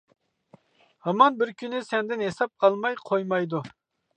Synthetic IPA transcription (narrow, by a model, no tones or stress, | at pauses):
hɑmɑnbɪɾkʲʰynɪsɛnd̪ɪnɦesɑp̚qʰɑlˠmɑjqʰojmɑjd̪u